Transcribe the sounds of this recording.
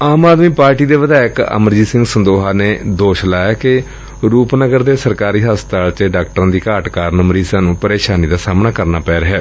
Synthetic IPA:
aːmaːd̪miːpaːɾʈiːd̪eːʋəd̪aːɪkə̰məɾd͡ʒiːsɪ̃ŋɡsənd̪oːɦaːneːd̪oːʃlaːjaːkɪ | ɾuːpnəɡəɾd̪eːsəɾkaːɾiːɦaːst̪aːlt͡ʃəɖaːkʈəɾãːd̪iːkaːʈkaːɾnəmɾiːsãːnũːpəɾeːʃaːniːd̪aːsaːmnaːkəɾnaːpɛːɾɦɛː

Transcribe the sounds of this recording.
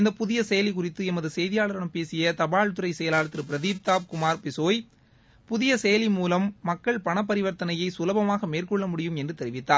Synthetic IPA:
ɪnd̪ɐpʊðɪjɐsɛjɐlɪkʊrɪt̪ːɯɛmɐðɯsɛjðɪjaːɭɐɾɐɳɐmpeːsɪjɐt̪ɐbaːɻt̪ɯɾɐɪsɛjɐlaːlɐt̪ːɪɾɯpɪɾɐðiːp̚t̪aːpkʊmaːɾpɪsoːj | pʊðɪjɐsɛjɐlimuːlɐmːɐkːɐɭpɐɳɐp̬ːɐɾɪʋɐɾt̪ːɐnɐjɐɪsʊlɐbɐmaːɣɐmeːrkɔɭːɐmʊɽɪjɯmɛndrɯt̪ɛɾɪʋɪt̪ːaːɾ

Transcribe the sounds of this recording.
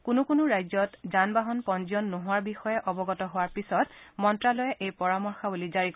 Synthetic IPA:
kʊnʊkʊnʊɹajzɔtzanbaɦɔnpɔnziɔnːoɦʊwaɹbixɔjɛʔɔbɔɡɔtɔɦʊwaɹpisɔtmɔntɹalɔjɛʔejpɔɹamɔɹxabulizaɹik

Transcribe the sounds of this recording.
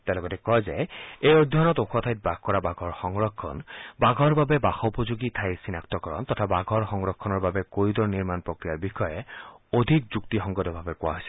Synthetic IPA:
t̪ealɔɡɔtɛkɔjzɛejod̪ʱɔɔnɔtoxʰɔtʰajt̚baɡkɔɹabaɡʱɔɹxɔŋɹɔkʰːɔ̰nbaɡʱɔɹbabɛbaxɔupɔzuɡitʰajsinaktɔkɔɹɔ̰ntɔtʰabaɡʱɔɹxɔŋɹɔkʰːɔnɔɹbabɛkojudɔɹniɹmanpɹokɹijaɹbixɔjɛodʱik̚zuktixɔŋɡɔdɔbʱabɛkʊwa̰ɦɔjsɛ̥

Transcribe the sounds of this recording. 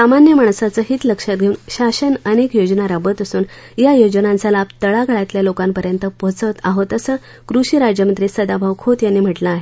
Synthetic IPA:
samanjəmaɳ̃sat͡səːɦiːt̪ləkʂat̪̚ɡʱeunɕaɕənənekjod͡ʑnaɾabət̪əsuːn | jajod͡ʑənãnt͡salab̚t̪əɭaɡəɭat̪ljalokampəɾjənt̪əpot͡sət̪aɦot̪əsə | kɾuɕiːɾad͡ʑjəmənt̪ɾisəd̪abʱaʋkʰot̪janːiːm̤əʈlaːɦe

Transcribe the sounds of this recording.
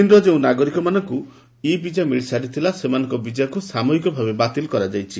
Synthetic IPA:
inɾɔd͡ʒeũnaɡɔɾikɔmanɔŋku | ibid͡ʒamiɭsaɾit̪ʰilasemanɔ̃ŋkɔbid͡ʒakusamɔɦikɔbʱabebat̪ilkɔɾad͡ʒajt͡ʃʰi

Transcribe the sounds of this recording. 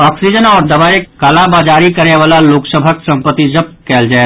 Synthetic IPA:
ɔːksid͡ʒənɔːɾd̪ɐbaːekaːlabaːd͡ʒaːɾikɐɾeʋaːlaloːksəbʱaksɐ̃mpət̪ːid͡ʒɐb̚kɛːld͡ʒaːe

